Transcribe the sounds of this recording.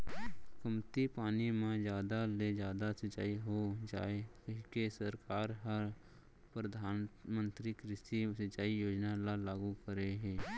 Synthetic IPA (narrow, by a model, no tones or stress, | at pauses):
kəmt̪ipaːnimãd͡ʒjaːd̪aled͡ʒjaːd̪asət͡ʃaːiɦod͡ʒa̰ːekɦkesəɾkaːɾɦəɾ | pɾəd̪ʱaːmə̃nt̪ɾikɾɪstisət͡ʃaːijoːd͡ʒnalalaːɡukəɾeɦɛ̃ː